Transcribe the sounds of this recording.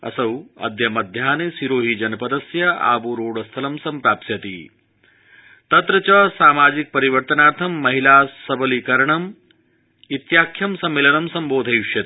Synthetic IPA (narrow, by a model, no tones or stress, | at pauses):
ɐ̰sɐwɐ̰d̪jɐmɐd̪ʱjaːnesiɾoːɦid͡ʒɐnɐpɐd̪ɐsjɐa̰ːbuɾoːɽɐst̪ʰɐlɐmsɐmpɾaːpt̪jɐt̪ḭ | t̪ɐt̪ɾɐt͡ʃɐsaːmaːd͡ʒik̚pɐɾiʋɐɾt̪ɐnaːɾt̪ʰɐmːɐɦilaːssɐbɐlikɐɾɐɳɐm | it̪jaːkʰːjɐmsɐmːeːlɐnɐmsɐmboːd̪ʱɐjuʂjɐt̪i